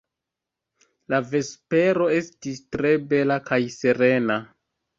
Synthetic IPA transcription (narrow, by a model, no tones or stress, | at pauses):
lave̞spe̞ɾo̞e̞stistɾe̞be̞lakajse̞ɾe̞na